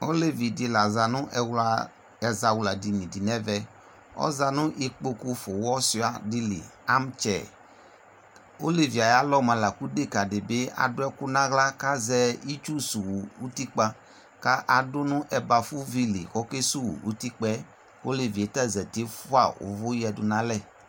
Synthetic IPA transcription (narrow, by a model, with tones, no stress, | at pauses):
o˦le˦vi˨di˨la˨za˨nʊ̃˦ʔɛ˨wla˨ | ɛ˨za˨wu˨la˨di˨nĩ˨di˨nɛ˦vɛ˦ | ɔ̰˦za˦nʊ̃˦ʔe˨k͡po˦ku˦fo˨wɔ˦si˦a˨di˦lḭ˨a˦m˦t͡ʃɛ̰˨ | o˦le˦˨vi˨a˨ja˦lɔ˦˨mã˨la˨ku˦de˦ka˨dɪ˨be˦a̰˨dʊ˦ɛ˦kʊ˦nã˦ɣla˦ka˦zɛ˦i˦t͡ʃu˦su˨wu˨u˦t̪i˦k͡pa˦ | ka˦ʔa˨dʊ˦nʊ̃˦ʔɛ˨ba˨fu˦vi˦lḭ˨xɔ˦ke˦su˦wṵ˨u˦t̪i˦k͡pɛ˦ | o˦le˨vi˨e˨ta˦˨zɛ˨t̪e˦fʊ˦a̰˦˨ʔʊ̰˨vʊ˦jɛ˨dʊ˨nã˦lɛ˦˨